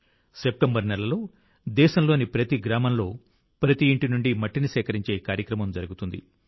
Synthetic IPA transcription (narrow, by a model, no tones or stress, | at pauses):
sep̚ʈɐmbɐɾnɛlːɐlo̞ː | d̪ɛːʃɐmlo̞ːnipɾɐt̪iɡɾaːmɐmlo̞ː | pɾɐt̪iːɳʈinuɳɖimɐʈːinisɛːkɐɾiɲt͡ʃe̞ːkaːɾjɐkɾɐmɐmd͡ʒɐɾuɡut̪und̪ḭ